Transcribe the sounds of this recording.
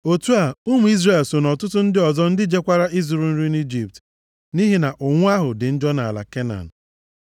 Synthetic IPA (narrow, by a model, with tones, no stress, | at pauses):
o˨tu˦a˨u˦mu˨i˦zre˨lso˨nɔ˨tʊ˦tʊ˦n̩˦dɪ˦ɔ˨zɔ˦n̩˦dɪ˦d͡ʒe˦kʷa˦ɾa˦ʔi˦zu˨ɾu˨n̩˦ɾi˦ni˦d͡ʒi˨p̚t | ni˦ɦi˨na˨ʔʊ˨ŋʷʊ˦a˦ɦʊ˨dɪ˨n̩˦d͡ʒɔ˦na˨a̰˨la̰˨ke˦na̰˨n̩˨